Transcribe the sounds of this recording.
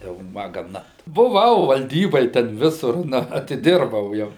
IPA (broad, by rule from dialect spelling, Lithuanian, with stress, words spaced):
jɛʊ ˈmɐ ɡɐˈnɐ bʊˈʋɐʊ ʋɐlʲˈdʲiːboːj tʲɛn ˈʋʲɪsʊr ˈnɐ ɐtʲɪˈdʲɪrbɐʊ ˈjɛʊ